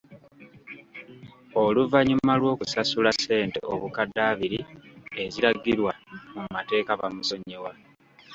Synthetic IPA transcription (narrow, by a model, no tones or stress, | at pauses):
o̞luvaɲumalwo̞ːkusasulase̞ːnte̞̰oβukadaːβiɾie̞ziɾaɡiɾwamumate̞ːkaβamuso̞ɲewa